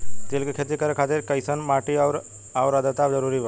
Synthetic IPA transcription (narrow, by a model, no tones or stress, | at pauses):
t̪ilkekʰeːt̪ikəɾkʰat̪eɾkəjsənmaːʈiawɾ | awɾəd̪ət̪aːbd͡ʒəɾuɾibʱə